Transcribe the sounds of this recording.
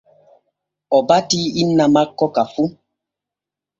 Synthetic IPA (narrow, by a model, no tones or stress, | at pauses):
ɔbatiinːamakːɔkafu